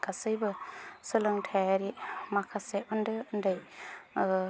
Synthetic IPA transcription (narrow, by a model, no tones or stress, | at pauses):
kʰasɯjbɯsɯlɯŋtʰaɾimakʰaseɯndɯɯndaj